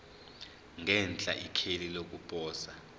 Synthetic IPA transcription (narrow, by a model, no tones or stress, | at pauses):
ŋɛnt͡ɬʼa̰ʔikʰelilok̬ʼupʼɔːsa